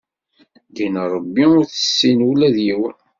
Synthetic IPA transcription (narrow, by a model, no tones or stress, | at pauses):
ɡinɾˤəbːiʊɾθə̥sːinulæðjiwə